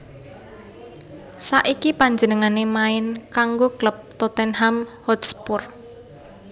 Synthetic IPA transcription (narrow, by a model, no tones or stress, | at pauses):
saʔikipaɲd͡ʒənəŋanemaɪnkaŋɡokləp̚t̪ɔt̪ɛnɦamhɔt̪spʊr